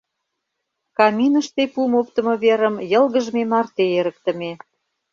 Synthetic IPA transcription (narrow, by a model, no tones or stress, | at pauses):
kɑminə̆ʃt̪epumop̚t̪ə̆mɤ̆βeɾə̆mjə̆lɣəʒmemɑrt̪eeɾə̆k̚t̪ə̆me